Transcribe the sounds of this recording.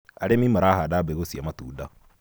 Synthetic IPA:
a̰ɾemimaɾahadabeɣosiamatuːda

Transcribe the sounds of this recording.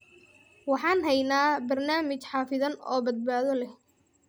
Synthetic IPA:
wɑħɑːnɦɛjnaːbɐrnaːmɪt͡ʃħɑːfɪðɐnɔ̰ːbɐd̪̚baːðɔlɛh

